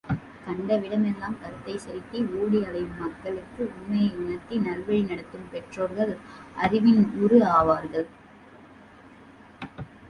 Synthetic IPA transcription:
kɐɳɖɐʋɪɽɐmɛlːaːmkɐɾɯt̪ːɐɪsɐɾɪk̪ːiuːɽiɐɭɐjɯmːɐkːɐɭɯkːɯʊɳmɐjɐɪʊnɐɾt̪inɐlʋɐɻinɐɽɐt̪ːɯmpɛʈroːɾɣɐɭʔɐrɪʋɪnʊɾɯaːʋaːɾɣɐɭ

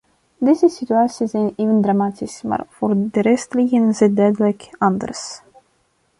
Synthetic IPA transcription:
deːzəsityaːsizɛjneːvəndramaːtisma̰ːrvoːrdəɾɛstliɣənənzɪdœɥdələkɑndə̰rs

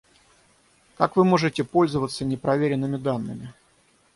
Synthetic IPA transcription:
kakvɨmo̞ʐɨtʲɪpo̞lʲzəvət̪sənʲɪpɾɐvʲeɾʲɪnːɨmʲɪd̪anːɨ̰mʲɪ

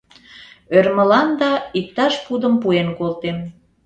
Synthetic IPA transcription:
ørməlɑnd̪ɑik̚t̪ɑʃpud̪əmpuenkolt̪en

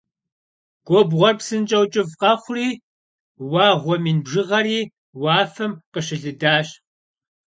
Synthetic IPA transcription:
ɡ̥ʷɔbʁʷɔrpsɨnt͡ʃʼɐwt͡ʃʼɪvqɐχʷʊriː | wɑːʁʷɔmiːnbʒɨʁɐɾiː | wɑːfɐmqəɕɪɮɨdaːɕ

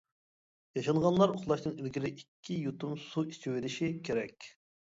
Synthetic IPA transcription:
jɑʃɑɴʁɑnlˠɑɾoχlˠɑʃnɨŋilɡʲiɾɪʔikʲʰːijut̪umsuit͡ʃʰiweɾɪʃikʲʰeɾɛkʲ

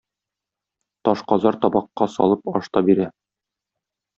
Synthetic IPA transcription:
t̪ɒʃqɒzɑɾt̪ɒbɑqːɑsɒ̰lˠɤpɒʃt̪ɑbiɾæ

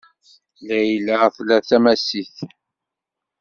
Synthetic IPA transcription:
læjləθlæθæmæsiθ

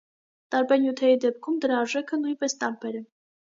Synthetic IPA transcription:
t̪ɑɾbɛnjut̪ʰɛɾid̪ɛp̚kʰumd̪əɾɑːɾʒɛkʰənujnpɛst̪ɑmpɛɾɛ

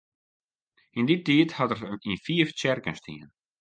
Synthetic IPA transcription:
inditiːthatərinfiːft͡ɕɛrkənst̪ʰḭːn

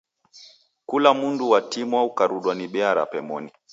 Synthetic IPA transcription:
kulamunduwatimwaukaɾuɗwaniɓɛaɾa̰pɛmɔ̰ni

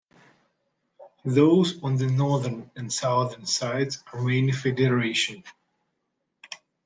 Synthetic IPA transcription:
ðoʊzɔ̃nðənɔɹðənɨ̃nsaʊðə˞nsaɪdzəmẽɪ̃nfɛdəɹeɪʃə̃n

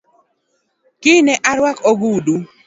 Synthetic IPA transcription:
kɪnɛʔaɾwakoɡudu

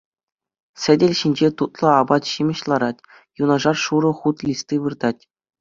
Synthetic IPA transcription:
sʲɘ̆dʲɘ̆lʲɕinʲd͡ʑet̪ut̪lˠɤ̆ɑbɑt̪ɕimʲɘ̆ɕlˠɑɾɑtʲ | junɑʐɑrʂuɾɤ̆χut̪lʲist̪iʋɯrd̪ɑtʲ

